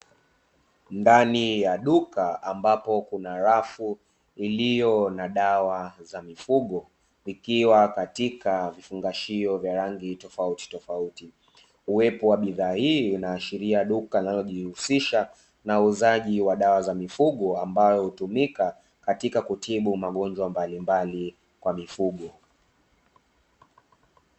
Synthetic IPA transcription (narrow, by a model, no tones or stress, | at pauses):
ndanijaɗukaambapɔkunaɾafu | ilijɔnaɗawazamifuɠɔ | ikiwakatikavifuŋɡaʃiɔvjaɾaŋɡitɔfauti̥tɔfauti | uwɛpɔwaɓiðaːhiːunaːʃiɾiaɗukainalɔʄihusiʃa | nauzaʄiwaɗawazamifuɠɔambajɔhutumika | katikakutʰiɓumaɠɔnd͡ʒwambalimbali | kwamifuɠɔ